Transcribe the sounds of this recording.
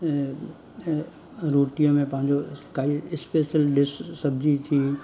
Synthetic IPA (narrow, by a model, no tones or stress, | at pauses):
ɾoːʈijõmẽpɐ̃ɦɪ̃ɲd͡ʑokaːiɪspeːʃəlɖɪssɐbd͡ʑit̪ʰiː